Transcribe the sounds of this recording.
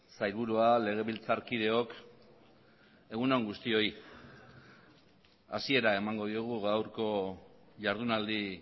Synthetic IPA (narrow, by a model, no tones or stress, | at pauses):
sajɾβuɾuale̞ɣ̞e̞βilt͡saɾkið̞e̞o̞k | e̞ɣunoŋɡust̪io̞j | a̰sie̞ɾae̞maŋɡo̞ðiuɣ̞uɣawɾko̞ | ʝaɾðunald̪i